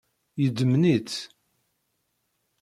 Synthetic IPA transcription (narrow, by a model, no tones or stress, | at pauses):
jəd̪əmnit͡s